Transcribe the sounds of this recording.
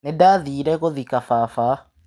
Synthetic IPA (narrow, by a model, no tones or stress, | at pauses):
nedaːðiːɾɛɣoðikafaːfa